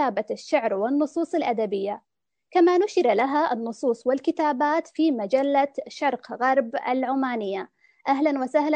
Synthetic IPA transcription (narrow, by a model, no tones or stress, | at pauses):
aːbaʃːaʕɾwɪnːʊsˤuːsˤɪlʔad̪abɪjːa | kamanʊʃɪɾalaɦaʔɪnːʊsˤuːsˤwɪlkɪt̪aːbaːt̪fiːmad͡ʒalːaʃɑɾˤqɣɑɾˤba̰lʕʊmaːnɪjːa | ʔaɦlanwasahla